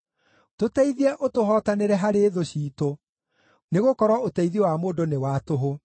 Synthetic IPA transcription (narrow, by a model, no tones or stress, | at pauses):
totɛiðiɛʔotoɦɔːtaneɾɛɦaɾeːðoɕiːto | neɣokɔɾwɔotɛiðiowamoːdonewaːtoɦo